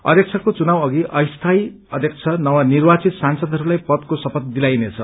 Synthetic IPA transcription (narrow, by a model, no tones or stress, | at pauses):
ʌ̰d̪ʱjek̚t͡sʰʌkot͡sunawʌɡiʔʌjst̪ʰaj | ʌd̪ʱjek̚t͡sʰʌnʌwanirbat͡sit̪sansʌd̪ʱʌɾulajpʌt̪kosʌpʌt̪̚d̪ilajnet͡sʰʌ